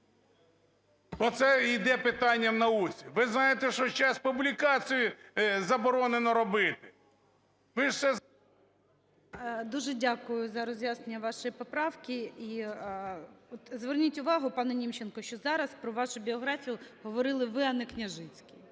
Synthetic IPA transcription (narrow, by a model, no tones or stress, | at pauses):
bɔt̪sɛid̪ɛpɪt̪ɑnʲːɐmnɐut͡sʲiʋɪznɑjet̪ɛʃɔt͡ʃɑspublʲikɑt͡sʲijʊzɐbɔɾɔnenɔɾɔbɪt̪ɪ̥ | ʋɪʃsɛ | d̪uʒɛdʲakʊjʊzɐɾɔzʲjaznenʲːɐʋɑʃɔjipɔpɾɑwkʲɪi | ɔt̪zʋernʲitʲʊʋɑɦʊpɑnɛnʲimt͡ʃenkɔʃt͡ʃɔzɑɾɐspɾɔʋɑʃʊbʲiɔɦɾafʲijʊɦɔʋɔɾɪlˠɪʋɪɐnɛknʲɐʒɪt͡sʲkʲi